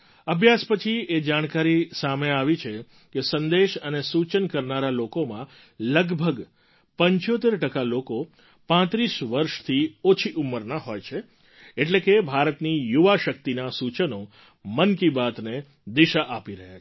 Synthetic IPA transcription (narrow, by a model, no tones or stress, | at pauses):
əbʱjaspət͡ʃʰied͡ʒaɽ̃kaɾisameaʋit͡ʃʰe | kesənd̪eʃənesut͡ʃənkəɾnaɾalokomã | ləɡbʱəɡ | pəɲt͡ʃot̪eɾʈəkaloko | pãt̪ɾiʃʋəɾʃt̪ʰiot͡ʃʰiʔumːəɾnaɦojt͡ʃʰe | eʈlekebʱaɾət̪nijuʋaʃək̚t̪inasut͡ʃəno | mənkibat̪ne | d̪iʃaʔapiɾəɦja